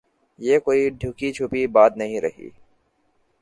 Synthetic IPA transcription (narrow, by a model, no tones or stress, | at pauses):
jeːkoːiɖʱjʊkit͡ʃʰupibaːd̪nɐɦĩɾə̰ɦḭː